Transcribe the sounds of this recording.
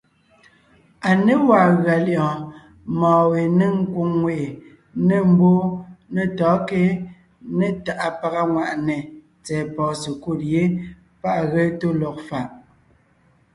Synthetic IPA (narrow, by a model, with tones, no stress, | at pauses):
a˨ne˦waː˨ɣɰa˨ljɔ̃˨ | mɔ̃ː˨we˨ne˦ŋ̩˦ko˦ŋːwe˨ʔe˨ | ne˦˨m̩˦bo˦ne˨tɔː˨˦ke˦ | ne˦ta˨ʔa˨pa˨ɣa˦ŋwa˨ʔne˨ | t͡sɛː˨pɔː˨se˨ko˦˨tje˦ | pa˦ʔɣe˦to˦lɔ˨k̚fa˨ʔ